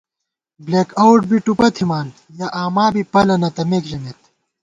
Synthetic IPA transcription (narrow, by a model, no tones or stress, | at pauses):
bleːkɐwʈ̚biʈupɐt̪ʰimaːn | jɐʔaːmaːbipɐlɐnɐt̪ɐmeːkʑɐmet̪